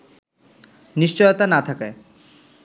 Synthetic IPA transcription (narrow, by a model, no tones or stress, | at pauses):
niʃt͡ɕɔjot̪anat̪ʰakaj